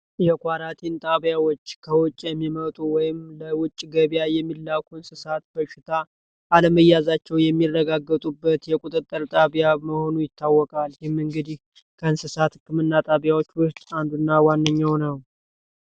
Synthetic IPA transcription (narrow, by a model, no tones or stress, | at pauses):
jɛkʷaɾat̪ʰint̪ʼaβjawɔt͡ʃːkʰəwɔt͡ʃʼːjɛmːimət̪ʼuwɔjɪmləwʊt͡ʃʼːɡəβjajɛmːilːakʰuɨnsɨsat̪bəʃɪt̪ʰa | ʔaləməjːazat͡ʃːɛwjɛmːirːəɡaɡət̪ʼubːət̪jɛkʼut̪ʼɨt̪ʼːəɾt̪ʼaβjaməho̞nujɪt̪ʰːawːɔkʼaljɪmɨŋɡɨd̪ih | kʰəɨnsɨsat̪hɨkʰːɨmɨnːat̪ʼaβjawot͡ʃːwɔt͡ʃʼand̪unːawanːəɲːawnəw